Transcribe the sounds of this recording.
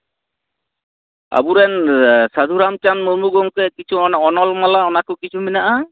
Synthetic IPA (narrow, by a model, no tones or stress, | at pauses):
a̰buɾɛnsad̪ʱuɾamt͡ʃanmumuɡɔŋkɛkit͡ʃʰuɔnɔlmalaɔnakukit͡ʃʰuminaʔa